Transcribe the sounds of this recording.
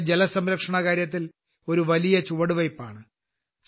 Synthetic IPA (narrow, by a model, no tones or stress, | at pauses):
d͡ʑelɐsɐmɾɐkʂɐɳɐkaːɾjɐt̪̬ːil | o̞ɾuʋɐlijɐt͡ɕuʋɐɽuʋɐjpːaːɳɨ